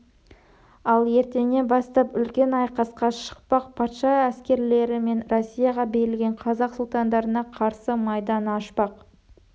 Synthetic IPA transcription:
ɑlˠje̞ɾt̪e̞ne̞bɑst̪ɑpʏlkʲe̞nɑjqɑsqɑʃə̥q̚pɑqpʰɑt̪ʃɑæskʲe̞ɾle̞ɾɪme̞nɾosʲːijɑʁɑbejɪlɡʲe̞ɴqʰɑzɑqsʊlˠt̪ɑnd̪ɑɾənɑqʰɑɾsəmɑjd̪ɑnɑʃpɑq

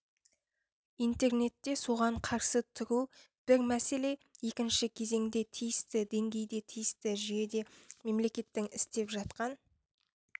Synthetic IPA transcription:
ijnt̪e̞rne̞t̪ːe̞so̞ʁɑɴqʰɑɾsət̪ʰʊɾu | b̥ɪɾmæse̞le̞je̞kʲɪnʃɪkʲʰe̞ze̞ŋd̪e̞t̪ʰijɪst̪ɪd̪e̞ŋɡʲe̞jd̪e̞t̪ʰijɪst̪ɪʒjed̪e̞me̞mle̞kʲe̞t̪ːɪŋɪst̪e̞pʒɑt̪qɑn

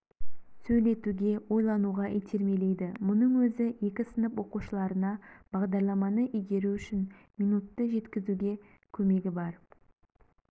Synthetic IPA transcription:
sɵjle̞t̪uɡʲe̞wo̞jlˠɑnuʁɑʔijt̪ʰe̞ɾme̞le̞jd̪ɪmʊnəɴwɵzɪe̞kʲɪsənəpwo̞quʃəlˠɑɾənɑb̥ɑʁd̪ɑɾlˠɑmɑnəʔʏjɡ̪ʲe̞ɾuʏʃɪnmijnut̪ːəʒe̞t̪kʲɪzuɡʲe̞ | kʲʰɵme̞ɡʲɪbɑɾ

